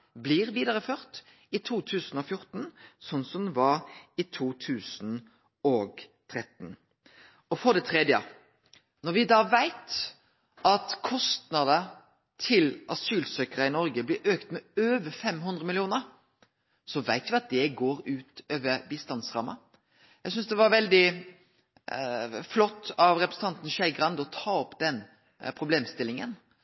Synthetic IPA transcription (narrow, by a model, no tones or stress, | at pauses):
blɪʁʋiːd̪ɑʁəføːʁt̪ | ɪt̪ʰuːt̪ʰʉːsn̩ɔfjʊʁt̪n̩sɔnːsɔmd̪ɛʋɑɾɪt̪ʰuːt̪ʰʉːsn | ɔɡt̪ʰʁɛt̪n̩ | ɔfɔd̪ɛt̪ʰʁɛd̪jə̰ | nɔʁʋɪd̪ɑːʋæɪt̪ | ɑt̪kʰɔst̪nɑd̪ə | t̪ʰɪlɑsyːlsøːkəɾəɪnɔɾɡəblɪɾʔøːkt̪mɛøːʋəfɛmɦʉnd̪ɾəmɪlɪuːnəɾ | sɔʋæɪt̪ʋɪɑt̪̚d̪ɛɡoːɾʉːt̪øːʋəɾbiːst̪ɑnsʁɑ̰mːɑ | jæɪsʏnsd̪ɛʋɑɾʋɛld̪ɪ | flɔt̪ːɑʋɾɛpɾəsn̩t̪ɑnt̪n̩ʃæɪɡɾɑnd̪ɔt̪ʰɑːɔpːd̪̥ɛn | pʰɾʊbleːmst̪ɪlːɪŋən